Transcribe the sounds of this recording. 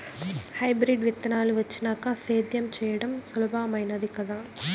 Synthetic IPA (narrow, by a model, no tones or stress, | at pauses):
hɐɪbɾiɖʋɪt̪ːɐnaːlɯʋɐt͡ʃːɪnaːkaseːd̪jɐmt͡ʃɛjɐɽɐmsʊlɐbaːmɐɪnɐðɪkːɐðãː